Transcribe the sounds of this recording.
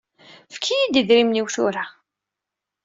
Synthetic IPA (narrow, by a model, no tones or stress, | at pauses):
fkʰːijid̪iðɾimniwθʊ̰ɾa